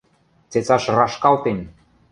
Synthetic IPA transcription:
t͡set͡sɑʃrɑʃkɑlt̪enʲ

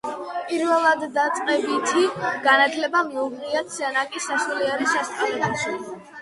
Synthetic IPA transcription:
pʼiɾvɛlˠad̪ːat̪sʼqʼɛbit̪ʰiɡ̥anat̪ʰlɛbamɔɡniat̪sɛnakʼisaʃuliɛɾiʃɛst̪ʼɛt̪ʰaʃi

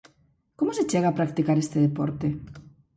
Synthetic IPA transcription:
komoset͡ʃeɣaːpɾak̚t̪ikaɾest̪eð̞epoɾt̪e

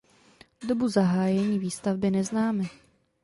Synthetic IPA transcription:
dobuzaɦaːjɛɲiːviːst̪avbɪnɛznaːmɪ

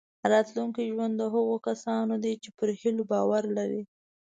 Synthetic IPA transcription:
ɾɑt̪luŋkiʒwand̪ːəɦəɣokasɑnod̪et͡ʃepəɾhilobɑwaɾlaɾḭ

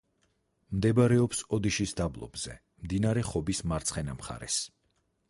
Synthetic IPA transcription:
md̪ɛbɾɛɔpsɔd̪iʃisd̪ablˠɔ̰bz̥ɛ̰ | md̪inaɾɛχɔbismaɾt̪sʰχɛnamχa̰ɾɛ̰s

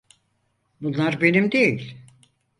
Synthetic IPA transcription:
bunlˠaɾbe̞nimd̪e̞jilʲ

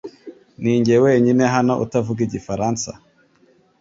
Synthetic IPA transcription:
niːɲɟewe̞ːɲine̞ɦano̞ʔutavuɡiɟifaɾaːnsa̰

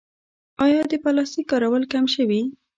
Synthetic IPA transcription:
ɑjɑd̪əpalɑst̪ikːɑɾawəlkamʃəwi

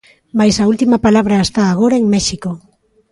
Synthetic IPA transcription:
majsault̪imapalaβ̞ɾaest̪aːɣ̞oɾaŋmeʃiko

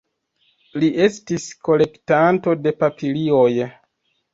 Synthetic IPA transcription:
liʔe̞stisko̞le̞ktanto̞de̞papʰilioj

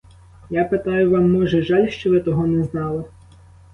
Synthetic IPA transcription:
japet̪ɑjʊʋɑmːɔʒɛʒɑlʲʃt͡ʃɔʋɪt̪ɔɦɔnɛznɑlˠɪ

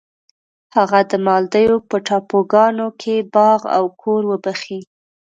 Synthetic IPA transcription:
haɣad̪əmɑld̪əjopəʈɑpoɡɑnokʰebɑɣa̰wkʰoɾwəbaxi

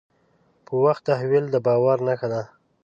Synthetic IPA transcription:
pəwaxt̪ːaɦwild̪əbɑwaɾnaxad̪a

